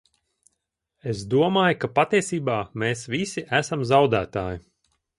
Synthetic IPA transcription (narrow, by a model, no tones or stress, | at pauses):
esd̪uɔmaːjukapat̪iɛsiːbaːmeːsʋisiʔæsamzawd̪æːt̪aːji